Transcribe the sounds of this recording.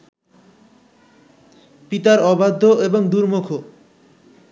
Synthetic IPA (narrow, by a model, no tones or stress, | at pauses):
pit̪aɾɔbad̪ʱːoeboŋd̪uɾmokʰo